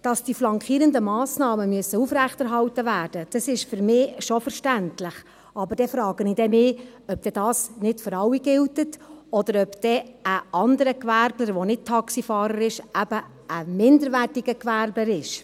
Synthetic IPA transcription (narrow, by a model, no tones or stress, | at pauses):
d̥ɑsd̥iflɑŋkʰiːɾəndəmɑːsnɑːməmyəsəufɾæχtɛɾɦɑwtəvæːrd̥əd̥ɑsɪʃfʏɾmɪːʃɔfəɾʃtæntlɪχ | ɑbəd̥ɛfɾɑːɡ̥əniːd̥ɛmɪː | œp̚d̥ɛd̥ɑːsnɪtføɾɑwiɡ̥ɪltətɔd̥əɾœpd̥ɛəʔɑndəɾəkʋæɾbləɾʋonɪt̚tʰɑksifɑːɾəɾɪʃæb̥ə | əmɪndəɾʋæːtiɡəkʋæɾbəɾɪʃ